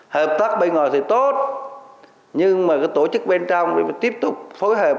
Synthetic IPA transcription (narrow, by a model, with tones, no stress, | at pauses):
həː˨˩p̚t̪aː˦˥k̚ɓə˧jŋɔ̰˨˩jt̪ʰi˨˩t̪o˦˥t̚ | ɲɨ˧ŋmaː˨˩kaː˨˦jt̪o˧˩t͡ɕɨ˦˥k̚ɓe˧nt͡ɕɔ˧wŋ͡mt̪i˦˥əp̚t̪ʊ˨˩k͡p̚fo˨˦jɦəː˨˩p̚